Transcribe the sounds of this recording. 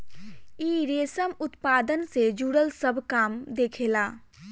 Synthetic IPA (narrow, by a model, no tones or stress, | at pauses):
iːɾeːsəmʊt̪paːd̪ənsed͡ʒuːɽəlsəbʱkaːmd̪eːkʰeːlaː